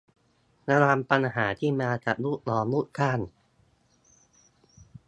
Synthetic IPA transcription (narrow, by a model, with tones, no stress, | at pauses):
na˧ɾaː˧mpa˧nɦaː˩˦t̪ʰiː˥˩maː˧t͡ɕa̰˨˩ʔlu˥˩t̪̚lɔː˧mluː˥˩t̪̚kʰaː˥˩n